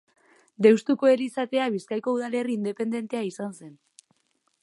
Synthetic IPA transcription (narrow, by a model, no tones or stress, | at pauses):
d̪ewst̪uko̞e̞lisat̪e̞aβ̞iskajko̞uðale̞riːnd̪e̞pe̞nd̪e̞nt̪eaisanse̞n